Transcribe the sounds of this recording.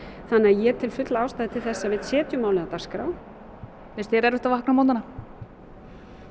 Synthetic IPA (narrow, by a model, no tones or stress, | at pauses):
θanːɪajɛt̪ʰɪlfʏt̪laawst̪aːjðɪt̪ʰɪlθɛsːavɪðsjɛːt̪jʏmaːwlɪnat̪ḁskɾa̰ːw | θɛst̪çɛɾɛɾʏht̪avahknamawnt̪ana